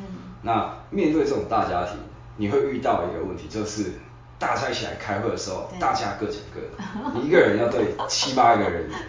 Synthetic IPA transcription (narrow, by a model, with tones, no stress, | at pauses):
na˥˨mjɛ˥˧nt̪we˥˧ɪt͡sɤ˥˩ʈ͡ʂʊ˨˩ŋt̪a˥˩t͡ɕja˦t̪ʰḭ˨˩˦ | ni˨˩xwe˥˧ɪy˥˧t̪ɑ˥˩ʊḭ˧˦ɡə̰˧wə˥˨nt̪ʰi˨˧t͡ɕjo˥˧ʊʂɻ̩˥˩ | t̪a˥˩t͡sʰa˥ɪt͡ɕʰi˨la̰˧˦ɪkʰa˥ɪxwe˥˩d̪ə˩ʂ̩˧˥xo˥˧˩ʊt̪a˥˧t͡ɕja̰˥˧kɤ˥˩ʈ͡ʂə̰˨˩ŋkə̰˥˩i˨˩i˦˥ɡə˨ɻə˧˦njɑ˥˧ʊt̪we˥˨ɪt͡ɕʰi˦pa˥ɡə˨ɻə˨˦n˨